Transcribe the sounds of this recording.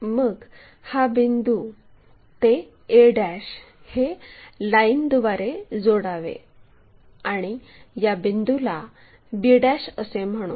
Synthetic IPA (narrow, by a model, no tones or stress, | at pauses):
məɡ | habind̪u | t̪e | eɽæɕ | helaind̪uʋaɾed͡zoɽaʋḛ | aɽ̃i | jabind̪ula | biɽaɕəsem̤əɽ̃ṵː